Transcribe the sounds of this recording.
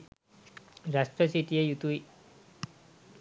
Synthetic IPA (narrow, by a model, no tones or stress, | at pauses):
ɾasʈɾəsiʈiejut̪ui